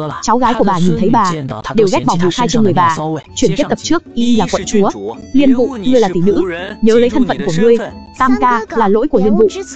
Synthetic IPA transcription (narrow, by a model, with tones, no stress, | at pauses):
t͡ɕa˨˦wɣaː˨˦jku˧˩əɓaː˨˩ɲi˨˩nt̪ʰə˨˦jɓaː˨˩ɗe˨˩wɣa˦˥k̚ɓa˧˩wvṵ˨˩˨xaː˧jt͡ɕe˧nŋɨ˨˩əjɓaː˨˩t͡ɕwi˧˩ənki˦˥t̚t̪ə˨˩p̚t͡ɕɨ˦˥ək̚ʔi˧laː˨˩kwə̰˧˨nt͡ɕu˨˦ə | li˧ənvṵ˧˨ŋɨ˧əjlaː˨˩t̪i˨˩nɨ̰˧˥ɲəː˨˦zə˨˦jt̪ʰə˧ŋ̟fə̰˧˨nku˧˩əŋɨ˧əjt̪aː˧mkaː˧laː˨˩lo̰˧˥jku˧˩əli˧ənvṵ˧˨ʔ